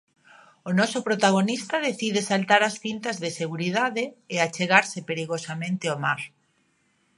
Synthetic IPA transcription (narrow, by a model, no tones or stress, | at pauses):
onɔsʊpɾot̪aɣ̞onist̪aðeθiðesalt̪aɾasθint̪azðeseɣ̞uɾiðaðeːat͡ʃeɣaɾsɪpeɾiɣosamẽnt̪ɪomaɾ